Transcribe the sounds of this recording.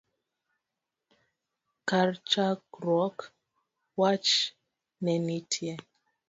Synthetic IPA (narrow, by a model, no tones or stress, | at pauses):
kaɾt͡ʃakɾɔk | wat͡ʃ | nɛnitʰjɛ